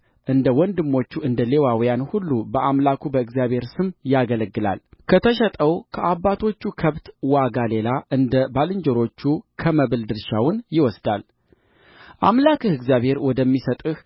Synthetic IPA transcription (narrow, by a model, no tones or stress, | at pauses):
ʔɨnd̪əwɔnd̪ɨmːo̞t͡ʃːuɨnd̪əle̞wawjanhulːubəʔamlakʰubəɨɡzjaβhe̞ɾsɨmjaɡələɡːɨla̰lkʰət̪ʰəʃɛt̪ʼəwkʰəʔabːat̪ʰo̞t͡ʃːukʰəβt̪waɡale̞laʔɨnd̪əbalɨɲd͡ʒɛɾo̞t͡ʃːukʰəməβɨld̪ɨɾʃawʊnjɪwɔsd̪al | ʔamlakɨhɨɡzijaβhe̞ɾwɔd̪əmːisət̪ʼɨh